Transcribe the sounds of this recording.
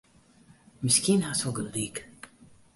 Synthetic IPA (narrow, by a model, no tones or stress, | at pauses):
miskinhasoɡəld̪iːk